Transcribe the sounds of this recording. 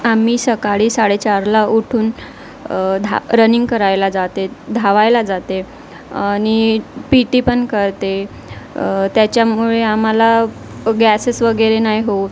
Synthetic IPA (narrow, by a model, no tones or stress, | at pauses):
am̤iːsəkaɽiːsaɽet͡ɕaɾlauʈʰuːn | d̪ʱaɾəniŋɡkəɾajlad͡zat̪ed̪ʱaʋajlad͡zat̪e | añipiʈiːpəɳkəɾt̪e | t̪jat͡ɕjamuɭeam̤ala | ɡæsesʋəɡəɾenajɦo